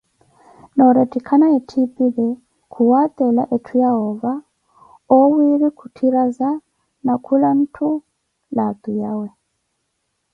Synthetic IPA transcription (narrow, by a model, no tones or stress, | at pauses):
nɔɾɛtʼikʰanaetʰipʼiβɛ | kʰuwat̪ʼɛla̰ʔetʰujaɦɔva | ɔwiɾikʰutʰiɾaza | nakʰulan̩tʰu | lat̪ujawɛ